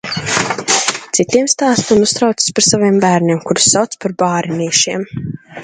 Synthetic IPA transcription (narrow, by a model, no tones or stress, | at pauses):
t̪sit̪iɛmst̪aːst̪unust̪ɾawt̪si̥spaɾsaviɛmbæːɾnʲiɛmkuɾu̥sːawt̪spaɾbaːɾiniːʃiɛm